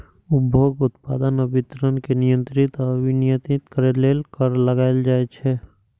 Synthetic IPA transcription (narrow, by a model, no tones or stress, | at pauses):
ʊbʱjoːɡʊt̪pa̰ːd̪ənəbɪt̪ɾənkenɪjə̃nt̪ɾɪt̪əbinɪjət̪ɪt̪kəɾeleːlkəɾləɡaːeld͡ʒaːet͡ʃʰɛː